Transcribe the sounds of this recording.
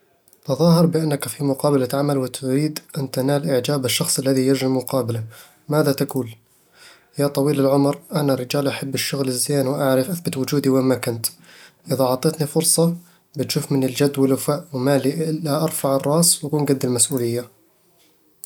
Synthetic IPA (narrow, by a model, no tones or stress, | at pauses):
t̪ɑðˤɑːhɑɾˤbɪʔanːakfimʊqɑːbalaʕamalwɪt̪ʊɾiːd̪ʔant̪anaːlʔɪʕd͡ʒaːbɪʃːɑxsˤʔalːaðijɪɾʒɪmːʊqɑːbala | maːðat̪akuːl | jat̪ˤɑwiːlɪlʕʊmɾʔanaɾːɪd͡ʒaːlʔaħabːɪʃːʊɣlɪzːeːnwʔaʕɾɪfʔaθbɪt̪wʊd͡ʒuːd̪iwɪmakʊnt̪ʔɪðaʕɑt̪ˤeːt̪nifʊɾsˤɑ | bɪt̪ʃuːfmɪnɪld͡ʒad̪ːwɪlʊfaʔwɪmaliʔɪlːaʔɑɾˤfaʕɑrˤːɑːswʔakuːnɡad̪ːɪlmasʔuːlɪjːa